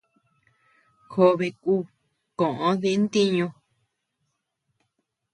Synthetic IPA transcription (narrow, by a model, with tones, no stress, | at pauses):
xo˧βe˧kuː˦˨ | kõ˨ʔõ˧˦ðe˧˦nt̪i˦ɲũ˧